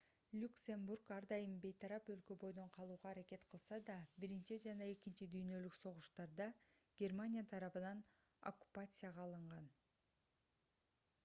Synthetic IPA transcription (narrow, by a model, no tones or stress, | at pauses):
lʲuksʲe̞mburkɑɾd̪ɑjɯmbe̞jt̪ʰɑɾɑpø̞lkø̞bo̞jd̪o̞ɴqʰɑlˠuːʁɑːɾake̞t̪qʰɯlˠsɑd̪ɑbiɾint͡ʃid͡ʒɑnɑe̞kint͡ʃid̪yjnø̞lykso̞ʁuʃt̪ɑɾd̪ɑɡ̥ʲe̞rmanʲijat̪ʰɑɾɑpɯnɑn | o̞̰kːu̥pat̪sɨjaʁɑːlˠɯɴʁɑn